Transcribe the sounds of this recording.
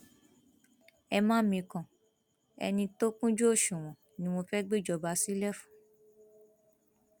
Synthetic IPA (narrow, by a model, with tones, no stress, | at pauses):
ɛ˧mãː˦mĩ˧kã˨ | ɛ̰˧nĩ˧to˦kũ˦d͡ʒo˦o˦˨ʃũ˨w̃ɔ̃˨ | nĩ˧˦w̃õ˧fɛ˦ɡ͡be˦d͡ʒɔ˧ba˨˧˦si˦lɛ˦fũ̥˨